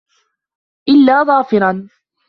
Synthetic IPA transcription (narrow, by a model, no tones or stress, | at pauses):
ʔɪlːaːðˤɑːfɪɾɑn